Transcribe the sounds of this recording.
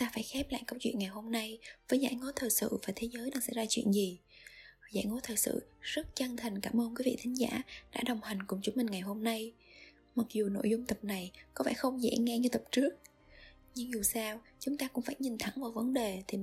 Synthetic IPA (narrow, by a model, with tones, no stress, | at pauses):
ŋ͡mt̪aː˧faː˧˩jxɛ˦˥p̚la̰ː˧˨jkə˧wt͡ɕwḭ˧˨ənŋa˨˩jɦo˧mna˧jvəː˨˦jza̰ː˧˥˩jŋo˨˦t̪ʰəː˨˩jsɨ̰˧˨vaː˨˩t̪ʰe˨˦zəː˨˦jɗa̰ː˧˩ŋsɛ̰˧˥zaː˧t͡ɕwḭ˧˨ənzi˨˩ | za̰ː˧˩jŋo˨˦jt̪ʰəː˨˩jsɨ̰˧˨zə˦˥t̚t͡ɕə˧ŋt̪ʰə˨˩ŋkaː˧˩mʔəː˧nkwi˨˦vḭ˧˨t̪ʰï˨˦ŋ̟za̰ː˧˥ɗa̰ː˧˥ɗə˨˩wŋ͡mha˨˩ŋ̟kʊ˨˩ŋ͡mt͡ɕʊ˨˦ŋ͡mmï˨˩ŋ̟ŋa˨˩jɦo˧mna˧j | ma˨˩k̚zu˨˩no̰˧˨jzʊ˧ŋ͡mt̪ə˨˩p̚na˨˩jkɔ˨˦vɛ̰ː˧˩xə˧wŋ͡mzɛ̰˧˥ŋɛ˧ɲɨ˧t̪ə˨˩p̚t͡ɕɨ˦˥ək̚ | ɲɨ˧ŋzu˨˩saː˧w | t͡ɕʊ˨˦ŋ͡mt̪aː˧kʊ̰˧˥ŋ͡mfaː˧˩jɲï˨˩ŋ̟t̪ʰə˧˩˦ŋvaː˨˩wvə˨˦nɗe˨˩t̪ʰi˨˩